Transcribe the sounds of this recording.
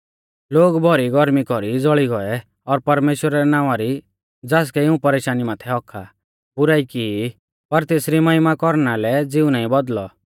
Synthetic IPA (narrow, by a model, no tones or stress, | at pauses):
loːɡbʱɔɾiɡɔɾmikɔɾid͡zɔɭiɡɔɛ | ɔɾpɐɾmeːʃwəɾaɾɛnãːʋ̃aɾi | d͡zaːs̬kɛɪũpɐɾeːʃaːnimaːt̪ʰɛɦɔkʰːa | bʊɾaːiki | pɐɾt̪eːsɾimɐɦɪmakɔɾnalɛd͡zɪũnaːĩbɔd̪lɔ